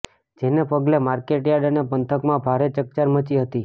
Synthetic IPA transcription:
d͡ʒenepəɡlemaɾkeʈjaɾɖənepənt̪ʰəkmãbʱaɾet͡ʃək̚t͡ʃaɾmət͡ʃiɦət̪i

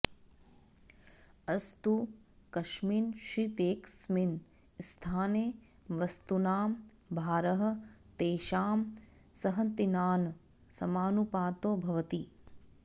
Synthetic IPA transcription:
ɐst̪ukɐʃmiːnʃit̪eːksmin | st̪ʰaːneː | ʋɐst̪unaːm | bʱaːɾɐɦɐ̆t̪eːʃaːm | sɐɦɐnt̪inaːn | sɐmaːnupaːt̪oːbʱɐʋɐt̪i

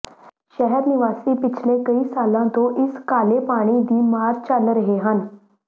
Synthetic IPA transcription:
ʃəɦɛɾnɪʋaːsiːpɪt͡ʃʰlekəiːsaːlãt̪oʔɪskaːlepaːɽ̃id̪iːmaːɾt͡ʃalɾəɦeɦən

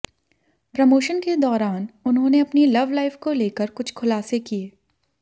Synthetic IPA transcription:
pɾɐmoːʃənked̪ɔːɾaːnʊnɦõːneɐpnilɐʋlaːɪfkoleːkəɾkʊt͡ʃʰkʰʊlaːsekieː

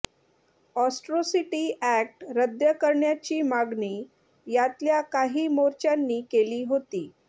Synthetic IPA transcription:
ɔsʈɾosiʈiːʔæk̚ʈɾəd̪jəkəɾɳjat͡ɕiːmaɡniː | jat̪ljakaɦiːmoɾt͡ɕanːiːkeliːɦot̪iː

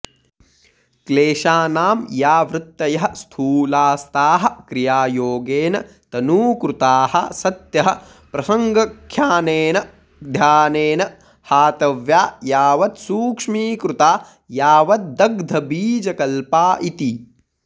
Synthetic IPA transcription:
kleːʃaːnaːmjaːʋɾɪt̪ːɐjɐɦɐst̪ʰuːlaːst̪aːɦɐ̆kɾijaːjoːɡeːnɐ̰ | t̪ɐnuːkɾut̪aːhɐ̰sɐt̪jɐɦɐ | pɾɐsɐŋɡɐkʰːjaːneːnɐ | d̪ʱjaːneːnɐ | haːt̪ɐʋjaːjaːʋɐt̪suːkʂmiːkɾut̪aː | jaːʋɐt̪̚d̪ɐɡd̪ʱɐbiːd͡ʒɐkɐlpaːʔit̪i

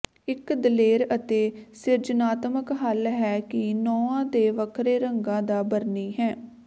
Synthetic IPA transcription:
ɪkd̪əleːɾət̪eːsɪɾd͡ʒnaːt̪məkɦəlɦɛːkɪnɔːãːd̪eːʋəkʰɾeːɾəŋɡãːd̪aːbəɾniːɦɛ̃ː

